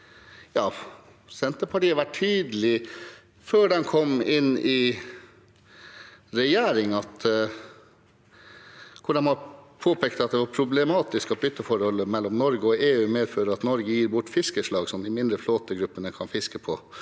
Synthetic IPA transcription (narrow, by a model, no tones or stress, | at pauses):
jɑː | sɛnt̪əpʰɑʈiːəʋæʈʰːyːd̪əlɪ | føːɖɛnkʰɔmɪnɪ | ɾɛjeːɾɪŋɑt̪ | kʰʊɖɑnɑpʰoːpɛkt̪əɑt̪̚d̪ɛʋɑɾpʰɾʊblɛmɑːt̪ɪskɔbʏt̪ːəfɔɾhɔlːəmɛlːɔmnɔɾɡəɔeːʉːmeːd̪føːɾəɑt̪nɔɾɡəjiːɾbʊʈːfɪskəʂlɑːɡsɔmd̪ɪmɪnd̪ɾəfloːt̪əɡɾʉpːənəkʰɑnfɪskəpʰɔ